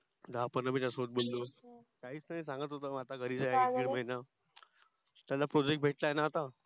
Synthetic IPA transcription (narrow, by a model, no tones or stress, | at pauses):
d̪apənəmitasɦot̪̚bolːokaɦiːt͡snaɦis̬ãŋɡət̪ɦot̪əːat̪aɡʱəɾiːd͡zajeɡiɾməina | t̪jalapɾɔd͡ʑek̚ʈ̚bʱeʈlaenaːt̪a